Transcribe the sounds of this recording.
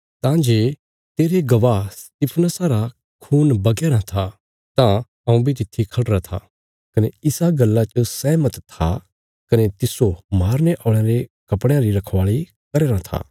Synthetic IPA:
t̪ãd͡ʒeː | t̪eːɾeɡɐʋast̪ɪpʰnəsaɾa | kʰuːnbɐɡeːɾãt̪ʰa | t̪ã | ɐũbʱit̪̬ɪt̪ʰːikʰɐɽɾat̪ʰa̰ | kɐneɪsaɡɐlːat͡ʃəsɛːmət̪t̪ʰːa̰ | kɐnet̪ɪsomaːɾneʔɔ̃ːɽ̃eɾekɐpɽẽãɾiɾɐkʰʋaːɭi | kɐɾeːɾãt̪ʰa̰ː

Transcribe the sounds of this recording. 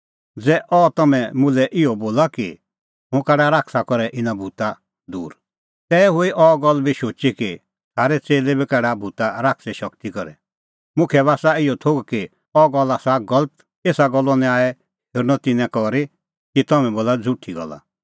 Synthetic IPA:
d͡zɛʔɔːt̪ɐmɛ̃mʊ̃lɛʔɪɔboːlaki | ɦʊ̃kɛɽaɾakʰsakɔɾɛʔɪnabʱut̪a | d̪uːɾ | t̪ɛːɦʊiʔɔɡɔlːbʱiʃoːt͡ʃiki | t̪ʰaːɾɛt͡seːlebikɛɽabʱut̪aɾaksɛʃʌkt̪ikɔɾɛ̰ | mʊ̃kʰɛβaːsaɪɔt̪ʰoːɡki | ɔːɡɔlːasaɡɔlət̪ | eːsaɡɔlːɔnɛ̃aːɛ | eɾnɔt̪ɪnɛ̃kɔɾi | kit̪ɔmɛ̃boːlad͡zʱʊʈʰːiɡɔ̰la̰

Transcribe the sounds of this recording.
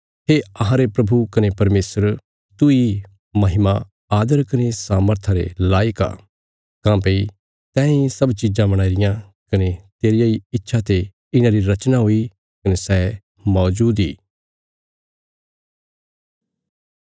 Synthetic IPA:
ɦeɐɦãɾepɾɐbʱukɐnepɐɾmeːsəɾ | t̪ʊi | mɐɦɪma | aːd̪əɾkɐnesaːməɾt̪ʰãɾḛlaːjka̰ː | kãːpei | t̪ɛ̃ːĩsɐbt͡ʃid͡ʒãbɐɽ̃aːiɾɪjã | kɐnet̪eːɾɪjaiɪtːʃʰat̪e | ɪnãɾiɾɐt͡ʃnaɦoi | kɐnesɛː | mɔːd͡ʒuːd̪ḭː

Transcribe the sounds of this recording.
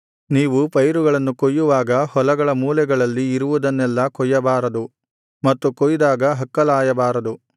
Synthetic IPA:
niːʋupɐjɾuɡɐɭɐnːukojːuʋaːɡɐhɔlɐɡɐɭɐmuːlɛɡɐɭɐlːiːɾuʋud̪ɐnːɛlːɐkɔjːɐbaːɾɐd̪u | mɐt̪ːukojd̪aːɡɐɦɐkːɐlaːjɐbaːɾɐd̪u

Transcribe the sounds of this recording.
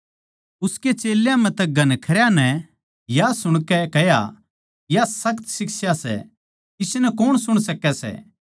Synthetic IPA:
ʊsket͡ʃeːljãmɛ̃t̪ɛɡʱɐnkʰɐɾjanɛ | jasʊɽ̃kɛkɛja̰ | jasɐkt̪sɪksjasɛ̰ | ɪsnɛkoɽ̃sʊɽ̃sɐkːɛsɛ̰

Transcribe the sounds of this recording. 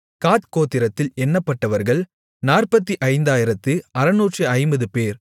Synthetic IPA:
kaːt̪koːt̪ːɪɾɐt̪ːɪlɛnːɐpːɐʈːɐʋɐɾɣɐɭ | naːrpɐt̪ːiʔɐɪnd̪aːjɪɾɐt̪ːɯɐɾɐnuːʈrɯɐɪmbɐðɯpeːɾ

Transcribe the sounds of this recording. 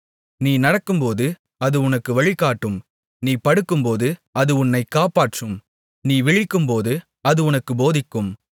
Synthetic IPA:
niːnɐɽɐkːɯmpoːðɯ | ɐðɯʊnɐkːɯʋɐɭɪkːaːʈːɯm | niːpɐɽɯkːɯmpoːðɯɐðɯʊnːɐɪkːaːpaːʈrɯm | niːʋɪɻɪkːɯmpoːðɯ | ɐðɯʊnɐkːɯboːðɪkːɯm

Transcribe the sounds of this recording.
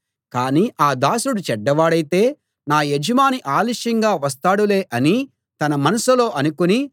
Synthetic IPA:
kaːniːʔaːd̪aːsuɽut͡ʃɛɖːɐʋaːɽɐjt̪e̞ː | naːjed͡ʒɐmaːniʔaːliʂɐŋɡaːʋɐst̪aːɽule̞ːʔɐni | t̪ɐnɐmɐnɐsɐlo̞ːʔɐnukuni

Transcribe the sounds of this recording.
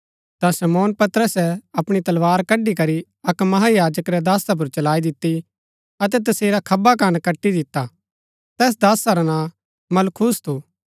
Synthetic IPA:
t̪ãsɐmɔːnpɐt̪ɾəsɛɐpɽ̃it̪ɐlʋaːɾkɐɖikɐɾi | ɐkmɐɦajaːd͡ʒəkɾɛd̪aːsap̬ʊɾt͡ʃɐlaːid̪ɪt̪ːi | ɐt̪̬ɛt̪̬ɐseːɾakʰɐbakankɐʈːid̪ɪt̪ːa | t̪ɛːs̬d̪aːsaɾanãː | mɐlkʰuːst̪ʰuː

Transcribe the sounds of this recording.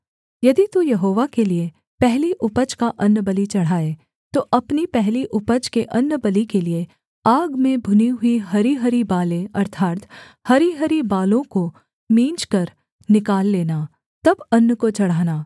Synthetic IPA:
jɐd̪it̪ujɐɦoːʋakelie | pɛɦliʔʊpəd͡ʒkaʔɐnːbɐlit͡ʃɐɽ̤aːe | t̪oʔɐpnipɛɦliʔʊpəd͡ʒkeʔɐnːbɐlikelie | aːɡmẽbʱʊniɦʊiɦɐɾiɦɐɾibaːlẽɐɾt̪ʰaːɾt̪ | hɐɾiɦɐɾibaːlõko | mĩːnt͡ʃkɐɾ | nɪkaːlːeːnaː | t̪ɐbɐnːəkot͡ʃɐɽ̤aːnaː

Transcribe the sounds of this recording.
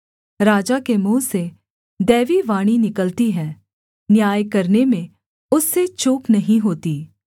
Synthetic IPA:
ɾaːd͡ʒakemuːse | d̪ɛːʋiʋaːɽ̃inɪkəlt̪iɦɛ̃ː | njaːjkɐɾnemẽ | ʊsːet͡ʃuːknɐɦĩɦoːt̪iː

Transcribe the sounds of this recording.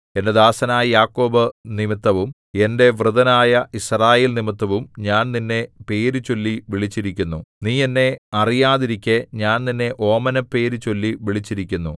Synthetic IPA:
e̞nded̪aːsɐnaːjɐjaːkːo̞ːbɨnimit̪ːɐʋum | e̞nde̞ʋrɨðɐnaːjɐʔisraːje̞ːlnimit̪ːɐʋumɲaːnninːe̞pe̞ːɾut͡ɕo̞lːiʋiɭit͡ɕːiɾikʲːunːuniːenːe̞ɐrijaːðiɾikʲːeɲaːnninːe̞ʔo̞ːmɐnɐpːe̞ːɾut͡ɕo̞lːiʋiɭit͡ɕːiɾikʲːunːu

